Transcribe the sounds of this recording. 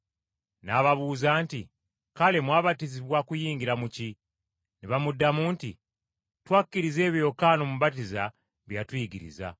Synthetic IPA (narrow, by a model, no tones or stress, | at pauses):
naːβaβuːzaːntḭ | kale̞mwaːβatiziβwakujiːŋɡiɾamuci | niβamudːamuntḭ | twakːiɾize̞ːβjo̞kaːnomuβat̬iza̰ | βjatwiːɡiɾḭza̰